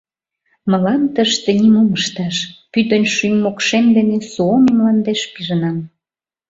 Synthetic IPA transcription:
mə̆lɑnt̪əʃt̪enimoməʃt̪ɑʃpyt̪ə̆nʃymːokʃemd̪enesuomemlɑnd̪eʃpiʒənɑm

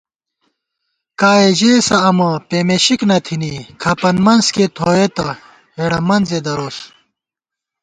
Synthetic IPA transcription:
kaːeʑeːsɐɐmɐpeːmeɕiknɐt̪ʰinikʰɐpɐnmɐnsket̪ʰoːet̪ɐ | heɽɐmɐnzed̪ɐɾoːs

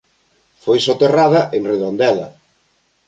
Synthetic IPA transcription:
fojsot̪eraðɐʔeŋreðond̪ɛlɐ̰

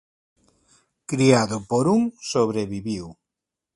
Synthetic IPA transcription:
kɾiaðʊpoɾuŋsoβɾeβiβiw

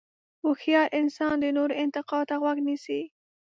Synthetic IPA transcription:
wuxjɑɾʔɪnsɑnd̪ənoɾɪnt̪ɪqɑt̪aɣwaɡnisi

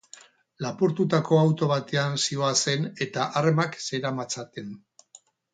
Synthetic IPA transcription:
lapuɾt̪ut̪ako̞awt̪o̞β̞at̪e̞ansio̞ase̞ne̞t̪aʔaremakse̞ɾamat͡sat̪e̞n

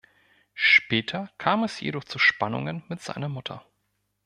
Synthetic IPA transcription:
ʃpɛːtʰɐkʰaːmɛsjḛdɔχt͡suʃpanʊ̰ŋənmɪtz̥a̰ɪnɐmʊtʰɐ̰

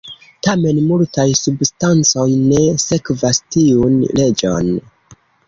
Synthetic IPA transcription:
tame̞nmultajsubstant͡sojne̞se̞kvastiunle̞d͡ʒo̰n

